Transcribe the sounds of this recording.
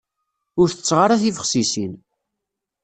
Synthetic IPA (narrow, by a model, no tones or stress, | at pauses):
ʊɾθə̥t͡sːʁaɾaθifəχsisin